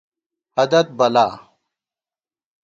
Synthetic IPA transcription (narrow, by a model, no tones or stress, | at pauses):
hɐd̪ɐt̪̚bɐlaː